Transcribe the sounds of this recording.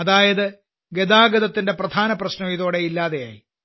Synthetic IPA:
ɐðaːjɐðɨ | ɡed̪aːɡɐðɐt̪ːinde̞prɐd̪ʱaːnɐprɐɕnɐʋiðo̞ːɽe̞ilːaːðeja̰ːji

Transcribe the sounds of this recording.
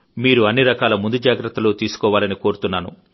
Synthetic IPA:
miːɾuɐnːiɾɐkaːlɐmund̪ud͡ʒaːɡɾɐt̪ːɐloːt̪iːsu̥kɔːʋaːlɐniko̞ːɾut̪unːaːnṵ

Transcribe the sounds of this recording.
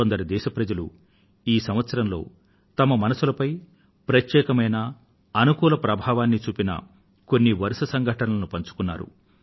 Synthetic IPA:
ond̪ɐɾid̪ɛːʃɐpɾɐd͡ʒɐlṵ | iːsɐmʋɐt̪sɐɾɐmlo̞ː | t̪ɐmɐmɐnɐsulɐpɐj | pɾɐt̪jɛːkɐmɐjnɐ | ɐnukuːlɐpɾɐbʱaːʋaːnːit͡ʃuːpinɐ̰ | ko̞nːiʋɐɾusɐsɐŋɡʱɐʈɐnɐlɐnupɐɲt͡ʃu̥kunːaːɾṵ

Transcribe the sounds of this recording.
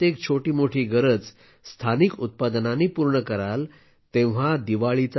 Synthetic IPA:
t̪ek̚t͡ɕʰoʈiːmoʈʰiːɡəɾət͡s | st̪ʰanikut̪̚pad̪naniːpuɾɳəkəɾal | t̪ẽʋ̤ad̪iʋaɭit͡s

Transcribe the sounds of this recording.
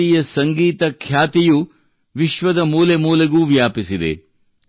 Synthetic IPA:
ijɐsɐŋɡiːt̪ɐkʰjaːt̪iju | ʋiʃʋɐd̪ɐmuːlemuːleɡuːʋjaːpisid̪ḛ

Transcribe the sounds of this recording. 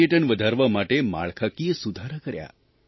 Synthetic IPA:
jəʈəɳʋəd̪ʱaɾʋamaʈema̰ɭkʰakijəsud̪ʱaɾakəɾja̰

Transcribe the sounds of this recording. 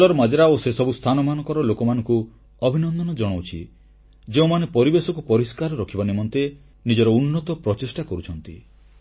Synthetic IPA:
lɔɾɔmad͡ʒɾaosesɔbust̪ʰanɔmanɔkɔɾɔlokɔmanɔŋku | ɔbʱinɔnd̪ɔnɔd͡ʒɔɽ̃owt͡ʃʰḭ | d͡ʒeũmanepɔɾibesɔkupɔɾiskaɾɔɾɔkʰibanimɔnt̪e | nid͡ʒɔɾɔunːɔt̪ɔpɾɔt͡ʃesʈakɔɾut͡ʃʰɔnt̪i

